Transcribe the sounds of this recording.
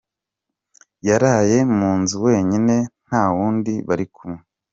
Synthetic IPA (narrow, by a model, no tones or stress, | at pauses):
jaɾaːje̞muːnzuwe̞ːɲine̞n̥haːwuːndiβaɾikʰumŋe